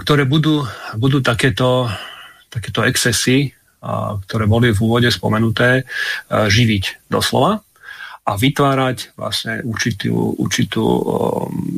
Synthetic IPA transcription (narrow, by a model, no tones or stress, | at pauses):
kt̪ɔɾɛːbud̪uːbud̪uːt̪akɛːt̪ɔ | t̪akɛːt̪ɔɛksɛsi | k̚t̪ɔɾɛːbɔlivuːʋɔɟɛspɔ̰mɛnut̪ɛː | ʒiʋiɟd̪ɔ̰slɔ̰ʋa | ʔaʋit̪ʋaːɾacʋla̰sɲɛuɾt͡ʃit̪ṵːṵɾt͡ʃit̪ṵː